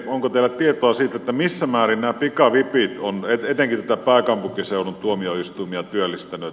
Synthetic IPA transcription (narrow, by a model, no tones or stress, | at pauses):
oŋkot̪elːˑæt̪ːiet̪oɑsiːt̪ːet̪ːæmisːæmæːrinnæːpikɑʋipit̪onet̪et̪eŋkit̪æt̪æpæˑekɑmpukiseˑonːunt̪uomioist̪umiɑt̪yølːist̪ænːˑy